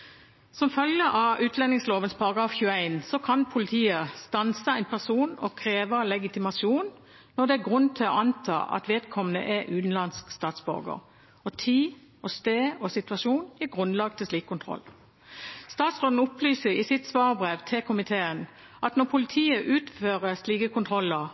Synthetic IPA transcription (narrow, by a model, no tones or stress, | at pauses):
sɔmfœljəʔɑʉːt̪ʰlɛnɪŋsloːʋənspʰɑʁɑɡʁɑːfçʉəæɪnsɔkʰɑnpʰʊlɪt̪ʰiːəst̪ɑnsəæɪnpʰæʁsuːnɔ̰kʰʁeːʋəlɛɡɪt̪ɪmɑʃjuːnː | ɔd̪ɛæɡʁʉnːt̪ʰɪlɔ̰ɑnt̪ʰɑ̰ːʔɑ̰t̪ʋeːd̪kʰɔmənə̰ʔɛʔʉːt̪nlɑnskst̪ɑːt̪sbɔ̰ʁɡə̰ʁ | ɔt̪ʰiː | ɔst̪eːɔsɪt̪ʋɑʃuːnjiːɡʁʉnlɑɡ̚t̪ʰɪlsliːkʰːʊnt̪ʰʁɔ̰lː | st̪ɑːt̪sʁoːd̪n̩ʊplyːsəʁɪsɪt̪sʋɑːʁəbʁeːʋt̪ʰɛkʰʊmɪt̪ʰeːən | ʔɑt̪nɔpʰʊlɪt̪ʰiːəʔʉːt̪føːʁəsliːkəkʊnt̪ʰʁɔlːəʁ